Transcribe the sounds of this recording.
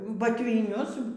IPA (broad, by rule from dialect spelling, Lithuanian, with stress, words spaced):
bɐtʲʋʲɪˈnʲʊs